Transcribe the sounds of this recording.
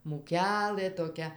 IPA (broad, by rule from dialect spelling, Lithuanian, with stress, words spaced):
muːˈkʲæːlˠɘ toːˈkʲɛ